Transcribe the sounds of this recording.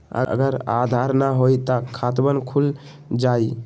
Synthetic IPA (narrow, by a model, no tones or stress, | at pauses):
ə̰ə̰ɡəɾa̰d̪ʱaɾnəɦojt̪akʰat̪bənkʰul | d͡ʒai